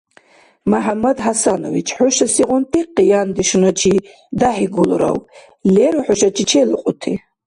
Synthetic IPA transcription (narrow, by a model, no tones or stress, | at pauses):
maħamɐd̪ɦasano̰vit͡ʃʰʼħʊʃɐsiʁʊnt̪ʼiqijand̪iʃnat͡ʃʰi | d̪aħiɡulɾa̰w | lɛɾuħʊʃat͡ʃʰʼit͡ʃʰɛlɨqʼʊt̪ʰi